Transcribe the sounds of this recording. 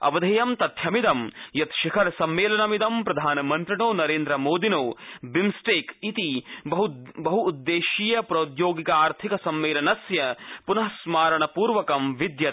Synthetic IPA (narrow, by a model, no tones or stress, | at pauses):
ɐ̰ʋɐd̪ʱɐjɐmt̪ɐt̪ʰjɐmid̪ɐmjɐt̪ʃɐkʰɐɾsɐmːeːlɐnɐmid̪ɐmpɾɐd̪ʱaːnɐmɐnt̪ɾiɳoːnɐɾeːnd̪ɾɐmoːd̪inoːbimsʈeːkit̪iɐɦubɐɦuːd̪ːeːʃiːjɐpɾɐut̪joːɡikɐaːɾt̪ʰikɐsɐmːeːlɐnɐsjɐpunɐɦɐsmaːɾɐɳɐpuːɾʋɐkɐmʋid̪jɐ